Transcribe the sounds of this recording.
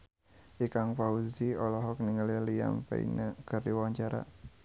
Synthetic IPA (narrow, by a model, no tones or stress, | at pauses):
ʔikaŋpauziɔlɔɦɔk̚niŋəlilija̰mpḛḭnəkərdiwaaɲt͡ʃaɾa̰